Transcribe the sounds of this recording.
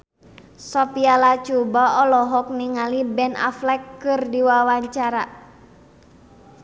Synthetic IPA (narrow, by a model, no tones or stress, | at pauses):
sɔpialat͡ʃubaɔlɔɦɔk̚niŋalibɛna̰flɛkːɨrdiwawaɲt͡ʃaɾa